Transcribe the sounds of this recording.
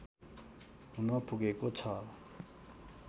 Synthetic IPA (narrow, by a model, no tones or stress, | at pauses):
ɦunʌpuɡekot͡sʰʌ